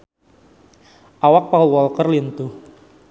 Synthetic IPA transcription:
ʔawak̚paulwɔlkərlint̪u

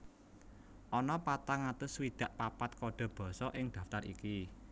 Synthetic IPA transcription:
ʔɔnɔpat̪aŋat̪ʊswid̪̥ä̤ʔpapat̪̚kɔɖ̥ɔ̤b̥ɔ̤sɔʔɪŋd̪̥ä̤ft̪arḭki

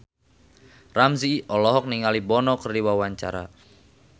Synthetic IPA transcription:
ramziʔɔlɔɦɔk̚niŋalibɔnɔkərdiwawaɲt͡ʃa̰ɾa̰

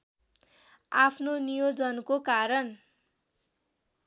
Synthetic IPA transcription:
apʰnonijod͡zʌnkokaɾʌn

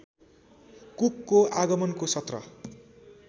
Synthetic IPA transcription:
kukːoaɡʌmʌnkosʌt̪rʌ̰

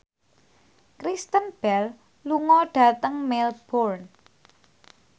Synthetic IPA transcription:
kɾist̪ənb̥ɛl | luŋɔɖ̥a̤t̪əŋmelb̥ɔrn

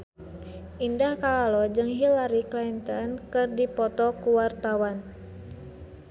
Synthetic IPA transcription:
ʔindahkaalɔd͡ʒɨŋɦilaɾiklant̪ɔnkɨrdipɔt̪ɔkuwart̪awan

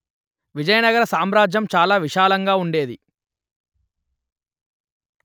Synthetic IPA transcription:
ʋid͡ʒɐjɐnɐɡɐɾɐsaːmɾaːd͡ʒjɐmt͡ʃaːlaːʋiʃaːlɐŋɡaːuɳɖe̞ːd̪i

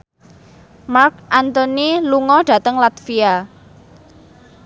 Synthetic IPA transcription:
mark̚ʔant̪oniluŋɔɖ̥a̤t̪əŋlat̪fia

